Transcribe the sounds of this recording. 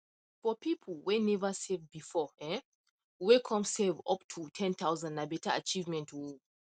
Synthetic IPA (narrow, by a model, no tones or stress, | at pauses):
fɔpʰipʰəl̩wɛ̃nɛvəsɛvbifɔɛ | wɛkʰɔ̃msevɔptʰutʰɛ̃nt̪aʊzãndnabɛtaa̰t͡ʃivmɛ̃ntʰwu